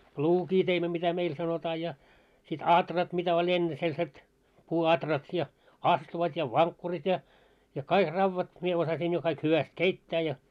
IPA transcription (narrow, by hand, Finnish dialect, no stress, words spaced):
pluːkiː teimːæ mitæ meil sɑnotɑː jɑ sit ɑtrɑt mitæ olʲ enːe selset puːɑtrɑt jɑ ɑstuʋɑt jɑ ʋɑŋkːurit jɑ jɑ kɑik rɑuʋɑt mie osɑsiːn jo kɑik hyʋæst keitːæː jɑ